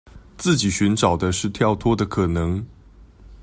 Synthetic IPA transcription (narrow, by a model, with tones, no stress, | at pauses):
t͡sɹ̩˥˩t͡ɕi˨˩ɕy˧˥nʈ͡ʂɑ˨˩ʊd̪ə˦ʂɻ̩˥˧t̪ʰjɑ˥˧ʊt̪ʰwɔ˥d̪ə˨kʰɤ˨˩nɤ˧˦ŋ